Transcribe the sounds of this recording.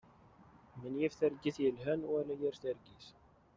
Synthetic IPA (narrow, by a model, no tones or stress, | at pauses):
mənjifθæɾɡiθjəlɦænwælæjiɾθæɾɡiθ